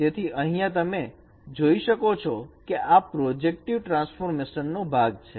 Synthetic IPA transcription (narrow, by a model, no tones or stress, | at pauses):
t̪et̪ʰiʔəɦĩjãt̪əme | d͡ʒoiʃəkot͡ʃʰɔkeʔappɾɔd͡ʒek̚ʈiʋʈɾãnsfoɾmeʃənːõbʱaɡt͡ʃʰe